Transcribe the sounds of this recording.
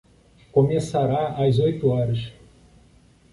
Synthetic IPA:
komesaɾaajzojt̪ʊɔɾɐʃ

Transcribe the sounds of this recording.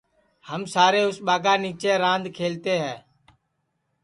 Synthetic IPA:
həmsaːɾeːʊsɓaːɡaːniːt͡ʃeːɾãːnd̪kʰeːlt̪eːɦɛː

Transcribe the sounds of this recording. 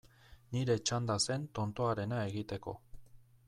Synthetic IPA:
niɾe̞t͡ʃand̪ase̞nt̪o̞nt̪o̞aɾe̞nae̞ɣit̪e̞ko̞̰

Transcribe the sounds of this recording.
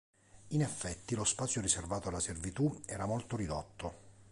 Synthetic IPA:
inɛfːɛt̪ːilospat̪sjoriservaːt̪oalːaservit̪uɛːɾamolt̪oɾid̪ot̪ːo

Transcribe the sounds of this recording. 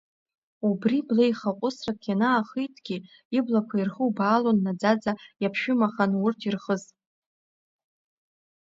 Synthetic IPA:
ubriblejχaqʷʼʊsrakʲʰanaːχitʰɡ̥ʲi | iblakʷʰairχuwbaːlonːad͡zad͡zajapʰʃᶣʊmaχanʊrtʰirχəz

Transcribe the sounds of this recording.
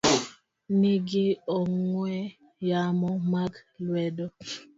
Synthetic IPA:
niɡiɔŋwɛ | jamɔmaɡlwɛdɔ

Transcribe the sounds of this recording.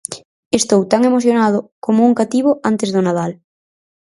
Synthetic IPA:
est̪owt̪aŋemoθ̬jonað̞ʊkomouŋkat̪iβ̞oʔant̪ezðonað̞al

